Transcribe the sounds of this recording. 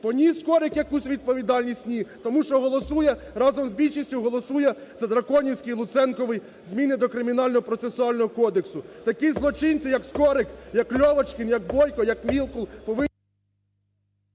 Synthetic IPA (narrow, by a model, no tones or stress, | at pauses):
pɔnʲiskɔɾɪkjɐkusʲʋʲid̪̚pɔʋʲid̪ɑlʲnʲisʲt̪ʲnʲit̪ɔmuʃt͡ʃɔɦɔlˠɔsujɛ | ɾɑzɔmzbʲilʲʃisʲtʲʊɦɔlˠɔsujɛ | z̥ɐd̪ɾɐkɔnʲiwsʲkɪjlˠʊt̪sɛnkɔʋɪj | zmʲinɪd̪ɔkɾɪmʲin̪ɑlʲnɔɦɔpɾɔt̪sesʊɑlʲnɔɦɔkɔd̪eksʊt̪ɐkizlˠɔt͡ʃɪnʲt͡sʲijɐkskɔɾɪkjɐklʲɔʋɐt͡ʃkɪnjɐk̚bɔjkɔjɐkmʲilˠkʊlˠpɔʋɪ